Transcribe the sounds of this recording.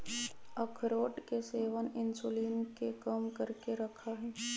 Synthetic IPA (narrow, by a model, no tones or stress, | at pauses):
ɐkʰɾoːʈkeseːʋənɪnsuliːnkekəmkəɾkeɾɐkʰaɦɛː